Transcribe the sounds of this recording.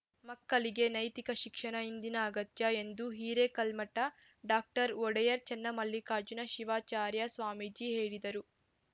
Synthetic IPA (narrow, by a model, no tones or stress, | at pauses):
mɐkːɐliɡe̞nɐjt̪ikɐʃikʂɐnɐind̪inɐːɡɐt̪jɐe̞nd̪uɦiːɾekɐlmɐʈːɐ | ɖaːk̚ʈɐɾɔɽɐjɐɾt͡ʃɐnːɐmɐlːikaːɾd͡ʒunɐʃiʋaːt͡ʃaːɾjɐsʋaːmid͡ʒiɦe̞ːɽid̪ɐɾu